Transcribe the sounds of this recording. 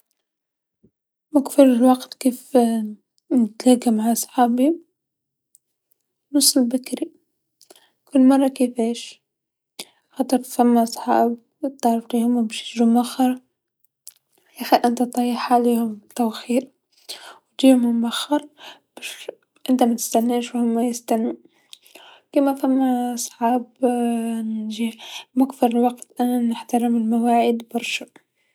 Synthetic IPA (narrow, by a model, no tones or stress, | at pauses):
mʊkfɪɾɪlwɑɡt̪keːf | nɪt̪laɡamaʕʔɑsˤħɑːbi | nɨsˤːɪlbakɾi | kʊlːmɑrˤːɑkefeːʃ | xɑt̪ˤɨɾfamːaʔɑsˤħɑ̰ːb̚ | t̪ɑʕɾˤɑfliːhʊmbiʃɪɾumʔaxːɑɾˤ | jaxiʔɪnt̪at̪ˤːɑjɑħaliːhʊmt̪awxiːɾ | wt̪iːhʊmhʊmʔaxːɑɾˤb̥aʃ | ʔɪnt̪amat̪ɪ̥st̪anːeːʃwhʊmːajɪst̪anːu | kimafamːaʔsˤħɑːb | nʒimakfɪɾlwɑqt̪ʔanːanɪħt̪aɾɪmɪlmawaːʕɪd̪bɑɾˤʃḁ